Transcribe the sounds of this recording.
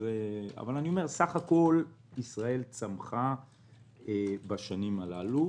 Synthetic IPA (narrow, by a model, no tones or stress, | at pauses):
ea̰valanio̞me̞ʁsaχako̞l | isʁae̞lt͡samχa | ebaʃanimalalu